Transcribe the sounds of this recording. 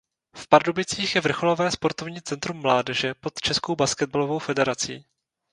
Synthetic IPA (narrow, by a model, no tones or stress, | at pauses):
fpaɾdobɪt͡siːxjɛvr̩xo̞lo̞vɛːspo̞ɾt̪o̞vɲiːt͡sɛnt̪ɾumːlaːdɛʒɛpo̞t̪t͡ʃɛskowbaskɛd̪̚balovo̞wfɛdɛɾat͡siː